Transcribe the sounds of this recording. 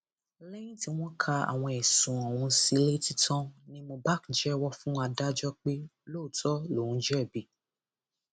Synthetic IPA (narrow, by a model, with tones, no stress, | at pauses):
lɛ˦j̃ĩ˦ti˦w̃ɔ̃˦kʰa˧a̰˨w̃ɔ̃˧ɛ˨sũ˨ɔ̃˨wũ˨˧si˧˦le˦ti˦tʰɔ̃˦nĩ˦mo˧ba˦kd͡ʒɛ˦wɔ˦fũ˦a˧da˦d͡ʒɔ˦k͡pe˦lo˦˨tʰɔ˦lo˨ũ˨d͡ʒɛ˦˨bi˨